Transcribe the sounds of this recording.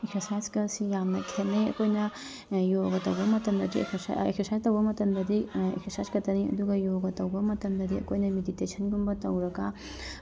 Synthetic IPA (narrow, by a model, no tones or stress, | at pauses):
iktɐsaːskɐsijaːmnɐkʰt̪ʰɐnːɐjkojnɐ | joːɡɐt̪ɐwɐmɐt̪ɐnd̪ɐtḭkḭkt̪isaːst̪ɐwɐmɐt̪ɐnd̪ɐd̪iḭkt̪isaːskɐt̪ɐnid̪uɡɐjoːɡɐt̪ɐwɐmɐt̪ɐnd̪ɐd̪ḭkojnɐmed̪it̪eːt͡ʃʰɐnɡumbɐt̪ɐwɾɐka